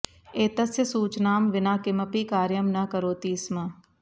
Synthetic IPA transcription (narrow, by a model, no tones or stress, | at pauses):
eːt̪ɐsjəsuːt͡ʃnaːmʋɪnaːkɪmɐpiːkaːɾjəmnɐkɐɾoːt̪iːsmɐ